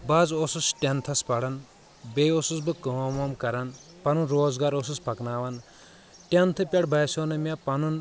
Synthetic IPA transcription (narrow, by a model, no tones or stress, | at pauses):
bazosusʈʲent̪ʰɐspɐɽɐn | bejosusbɨkɐmomkɐɾɐn | pɐnunɾoːzɡaːɾosuspʰɐknaːʋɐn | ʈʲent̪ʰɨpʲɐɽbɐjsonɐmʲapɐnun